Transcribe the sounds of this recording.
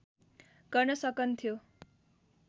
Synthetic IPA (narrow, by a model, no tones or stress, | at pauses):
ɡ̥ʌrnʌsʌkʌnt̪ʰjo